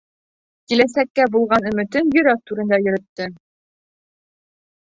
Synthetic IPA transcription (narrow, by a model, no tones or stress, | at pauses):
kilæsækːæbulˠʁɑnɵ̆mɘ̆t̪ɘnjɵ̆ɾæk̚t̪uɾɘ̆nd̪æjɵ̆ɾɵ̆t̪ːɤ